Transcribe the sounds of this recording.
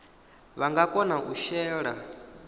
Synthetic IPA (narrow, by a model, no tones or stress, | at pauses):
βaŋɡakʼɔnaʔuʃɛːɺa